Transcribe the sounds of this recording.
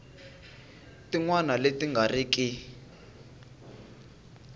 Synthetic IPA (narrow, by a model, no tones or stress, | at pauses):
tiŋwanaletiŋɡʱariki